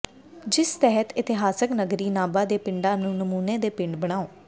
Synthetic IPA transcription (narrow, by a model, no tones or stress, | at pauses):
d͡ʒɪst̪ɛɦət̪ɪt̪ɪɦaːsəknəɡɾiːnaːbaːd̪eːpɪɳɖãːnũːnəmuːneːd̪eːpɪ̃ɳɖbəɽ̃aːoː